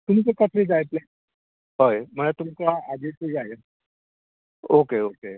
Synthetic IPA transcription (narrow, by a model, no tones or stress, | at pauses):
t̪um̤it͡sekat̪ɾiːd͡zajt̪le | ɦəjm̤əɳat̪umkaad͡ʑisid͡zajə | okeoke